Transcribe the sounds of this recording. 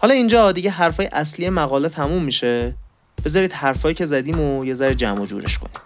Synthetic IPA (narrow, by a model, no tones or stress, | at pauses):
hɒlɒiːnd͡ʒɒd̪iɟeɦæɾfɒːjḛʔæsliːje̞mæɣɒːlet̪ʰæmumːiʃe | b̥e̞zɒːɾiːd̪hæɾfɒːjiːcʰe̞zæd̪iːmoje̞zæɾed͡ʒæ̰mod͡ʒṵːɾḛʃkʰo̰niːm